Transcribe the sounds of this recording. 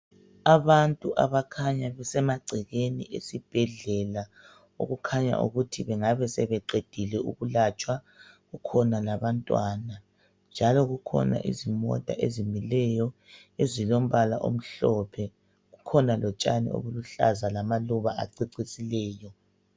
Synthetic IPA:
aβantʼuʔa̰βakʰaɲaβɛsɛmaǀʱiɣeniʔḛsib̥ʱɛɮɛla | o̰ɣukʰaɲa̰ʔṵɣutʰiβɛŋaβɛsɛβɛǀed̥ʱilɛuɣulat͡ʃʼwa | ɣukʰɔnalaβantʼwana | nd͡ʒʱalɔɣukʰɔ̰na̰ʔḭzimɔ̰tʼa̰ʔezimilɛjɔ | ezilom̩βalaʔo̰m̩ɬɔpʰɛ | ɣukʰɔnalɔt͡ʃʼanḭo̰βuluɬa̰zalamaluβaa̰ǀiǀisilɛːjɔ

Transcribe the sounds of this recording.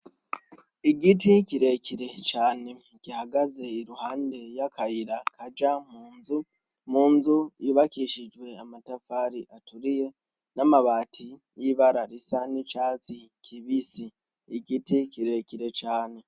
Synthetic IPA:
iɡiticiɾe̞ciɾe̞t͡ʃaːne̞ | ɡ̥ihaɡaze̞iɾuhaːnde̞jakʰajiɾakʰad͡ʒamuːnzu | muːnzujiβakiʃid͡ʒwe̞amatafaːɾiʔatuɾije̞ | namaβaːtʰijiβaɾaɾisanit͡ʃaːt͡sikʰiβisi | iɡitikiɾe̞ciɾe̞t͡ʃaːne̞

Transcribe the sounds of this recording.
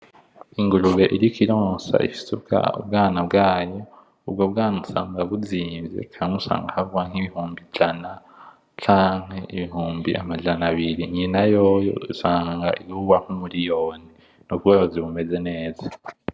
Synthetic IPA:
iŋɡuɾuβe̞ʔiɾikʰiɾoːsa̰ḭfi̥seub̚ɡa̰ṵbɡaːnabɡaːjo̞ | ub̚ɡobɡaːnusa̰ːŋɡaβuziːnzḛkʰaaŋusa̰ːŋɡahauwaŋ̥hiβihuːmbid͡ʒana | t͡ʃaːŋ̥he̞iβiɦuːmbḭʔa̰mad͡ʒanaβiɾiɲinajo̞jo̰isaːŋɡa̰ʔiβuwaŋ̥humuɾijo̞ːni | nubɡajoziβume̞ze̞ne̞ːza

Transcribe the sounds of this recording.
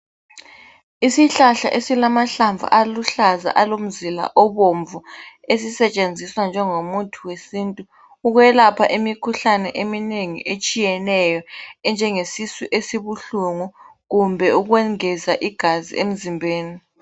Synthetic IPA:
isiɬaɬa̰ʔesilamaɬaɱvʱa̰ʔaluɬaza̰ʔalom̩zila̰ʔɔβoɱvu | esisɛt͡ʃʼend͡zʱiswand͡ʒʱɛŋomutʰuwesiːntʼuː | ɣwɛlapʰaʔemikʰuɬanɛʔemineŋḭʔet͡ʃʼijɛnɛjɔɛnd͡ʒʱɛŋesisiʔesiβuɬuŋuɣumbʱɛuɣwɛŋɛzaʔiɡ̥ʱazḭʔem̩zimbʱeːni

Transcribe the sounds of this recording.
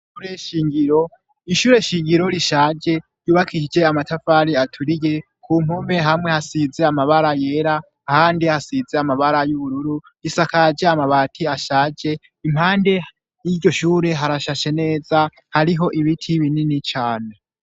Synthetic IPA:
ʃʃuɾeʃiːŋɡiɾo̞ | iʃuːɾe̞ʃiːŋɡiɾo̞ɾiʃaːd͡ʒe̞ | juːβakʰiʃid͡ʒe̞amatʰafaɾiatʰuɾije̞ | kʰuːm̥home̞ɦamŋe̞hasize̞amaβaɾaje̞ɾaː | haːndihasize̞amaβaɾajuβuɾuɾu | isakad͡ʒe̞amaβaːtʰiaʃaːd͡ʒe̞ | im̥haːnde̞ | jiɾɟo̞ʃuːɾe̞ɦaɾaʃaʃe̞ne̞ːza | haɾiɦo̞ʔiβitʰiβininit͡ʃaːne

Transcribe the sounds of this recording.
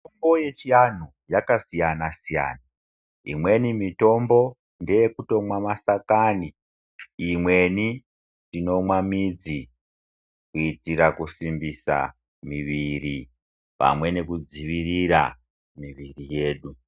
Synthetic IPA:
tombojet͡ʃian̤u | jakasijanasija̰ːna | ḭmwe̞nimito̞mbo̞ | ndejekuto̞mwamasakani | imwe̞ni | tino̞mwamid͡zi | kuitiɾakusimbisa̰ | miʋiɾi | pa̰mwe̞ne̞kud͡ziʋiriɾa̰ | miʋirije̞ːɗu

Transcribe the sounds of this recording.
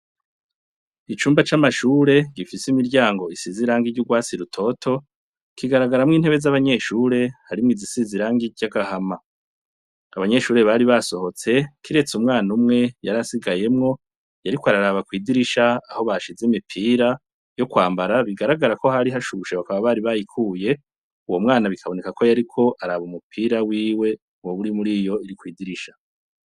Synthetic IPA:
it͡ʃuːmbat͡ʃamaʃuːɾe̞ɡifisimiɾɟaːŋɡo̞isiziɾaŋɡiɟuɡwaːt͡siɾutʰo̞tʰo̞ | kiɡaɾaɡaɾamŋiːn̥he̞βe̞zaβaɲe̞ʃuːɾe̞haɾimŋiːzisiziɾaːŋɡiɟaɡahama | aβaɲe̞ʃuːɾe̞βaɾiβaso̞ho̞t͡se̞kiɾe̞t͡sumŋaːnumŋe̞jaɾasiɡaje̞mŋo̞ | jaɾikoaɾaɾaːβakwiːdiɾiʃaːho̞βaʃizemipʰiːɾa | jo̞kwaːmbaɾaβiɡaɾaɡaɾako̞haɾiɦaʃuʃeβakaβaβaɾiβajikʰuːje̞ | uwomŋaːnaβikʰaβo̞nekako̞jaɾikʰo̞ʔaɾaːβumupʰiːɾawiːwe̞ | woβuɾimuɾiːjo̞iɾikwiːdiɾiʃḁ

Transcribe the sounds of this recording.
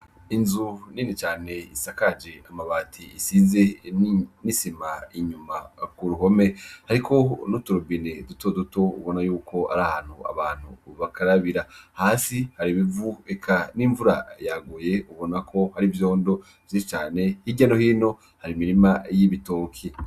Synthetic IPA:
inzuniːnit͡ʃaːne̞isakad͡ʒeamaβatʰiisiːze̞ | nisimaiɲumakuɾuɦo̞me̞haɾikʰo̞nutuɾubinedutodutoṵβo̞najuːkʰo̞a̰ɾaːhaːn̥hua̰βaːn̥hṵβakaɾaβiɾahaːsihaɾiβivuekʰaniːɱvuɾa̰jaɡoje̞uβo̞nakʰo̞haɾivjo̞ːndo̞ | vjit͡ʃaːne̞hiɟano̞hiːno̞ | haɾimiɾimajiβito̞ːkʰi

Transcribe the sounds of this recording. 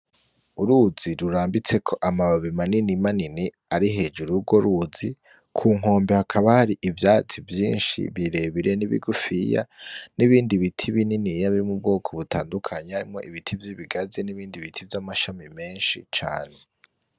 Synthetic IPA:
uɾuziɾuɾaːmbit͡se̞kʰo̞ʔamaβaβimaninimanini | aɾiɦe̞ːd͡ʒuɾuɡo̞ɾuzi | kʰuːŋ̥o̞ːmbehakʰaβahaɾiʔivjaːt͡sivjiːnʃḭβiɾe̞βiɾe̞niβḭɡufija̰niβiːndiβitʰiβininijaβiɾimub̚ɡo̞ːkʰo̞βutaːndukʰaɲehaɾimŋo̞ʔiβitʰivjiβiɡazeniβiːndiβitʰivjamaʃamime̞ːnʃḭt͡ʃa̰ːne̞

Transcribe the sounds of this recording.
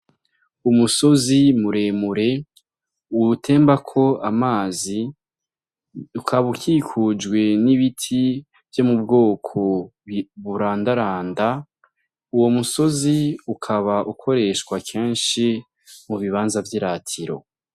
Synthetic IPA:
umuso̞zimuɾe̞ːmuɾe̞ | utʰe̞ːmbakʰo̞amaːzi | ukʰaβukiːkʰud͡ʒɡwe̞niβitʰi | vjo̞mubɡo̞ːkʰo̞βuɾaːndaɾaːnda | uwo̞muso̞ziukʰaβaʔukʰo̞ɾe̞ːʃkwakʰe̞ːnʃi | muβiβaːnzavjiɾaːtʰiɾo̞̰

